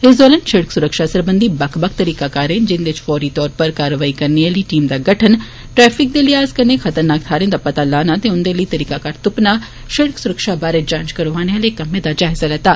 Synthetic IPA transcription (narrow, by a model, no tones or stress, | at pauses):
ɪs̬d̪ɔːlənʃɪɽksʊɾəkʃaːsəɾbənd̪iːbəkʰbək̚t̪əɾiːkaːkaːɾẽːd͡ʒɪnd̪ɪt͡ʃfɔːɾiːt̪ɔːɾpəɾkaːɾəʋaːiːkəɾneəliːʈiːmd̪aːɡəʈʰən | ʈɾɛːpʰɪk̚d̪eːləiaːzkəɾneːkʰət̪əɾnaːk̚t̪ʰaːɾẽːd̪aːpət̪aːlaːnaːt̪eːʊnd̪eːləiːt̪əɾiːkakaːɾt̪ʊpnaː | ʃɪɽəksʊɾəkʃaːbaːɾeːd͡ʒãːnt͡ʃkəɾoːʋaːneaːlekəmẽːd̪aːd͡ʒaːɦɪzaːlɛːt̪aː